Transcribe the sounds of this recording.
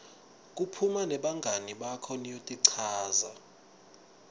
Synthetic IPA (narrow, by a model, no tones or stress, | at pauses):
k̬ʼupʰumanɛɓaŋɡʱaniɓakʰɔnijotʼiǀʰaːza